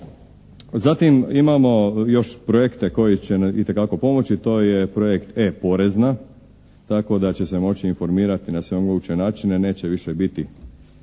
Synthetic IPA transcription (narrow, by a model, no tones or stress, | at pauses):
zat̪imimamo̞jo̞ʃpɾoje̞kt̪e̞ko̞jit͡ɕenit̪e̞kako̞po̞mo̞t͡ɕit̪o̞ːjepɾojekt̪epo̞ɾe̞zna | t̪ako̞d̪at͡ɕe̞se̞mo̞t͡ɕiːnfo̞ɾmiːɾat̪inasʋe̞oŋɡout͡ɕenaːt͡ʃine̞ne̞ːt͡ɕe̞ʋiʃe̞bit̪i